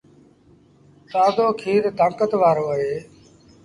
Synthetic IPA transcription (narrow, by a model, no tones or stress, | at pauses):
t̪aːd̪oːkʰiːɾd̪ʱə̃ːŋkət̪ʋaːɾoːəɦeː